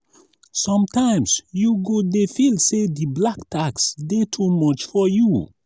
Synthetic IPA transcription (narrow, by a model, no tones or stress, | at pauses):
sɔ̃mtãɪ̃msjuɡodefilsediblaktʰaksdetʰumɔt͡ʃfɔju